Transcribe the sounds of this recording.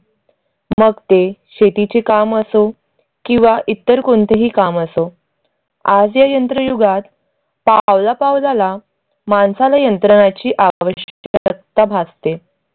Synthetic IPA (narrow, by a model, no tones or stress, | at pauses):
məɡt̪eɕet̪it͡sekaməso | kĩw̃ʋaʔit̪ːəɾkont̪eɦiːkaməso | ad͡zjajənt̪ɾəjuɡat̪ | paʋlapaʋlala | mansalajənt̪ɾəɽ̃at͡ɕiːʔaʋəɕək̚t̪abʱad͡zt̪e